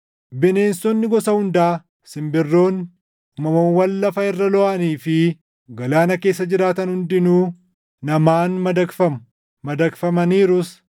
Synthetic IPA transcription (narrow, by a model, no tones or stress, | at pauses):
bɪne̞ːnsɔnːɪɡɔsɐhʊnd̪aː | sɪmbɪrːo̞ːnː | mɐmowɐlːɐfɐɪrːɐlɔʔaniːfɪ | ɡɐlaːnɐke̞ːsːɐd͡ʒɪɾaːt̪ɐnhʊnd̪ɪnuː | nɐmaːnmɐd̪ɐkfɐ | mɐd̪ɐkfɐmɐniːɾʊs